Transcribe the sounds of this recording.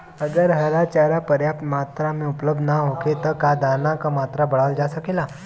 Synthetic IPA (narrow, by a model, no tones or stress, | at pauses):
əɡəɾɦəɾat͡ɕaɾapəɾjapt̪mat̪ɾamiupləb̚d̪naɦoket̪əkad̪anakamat̪ɾabəɭald͡ʒasakela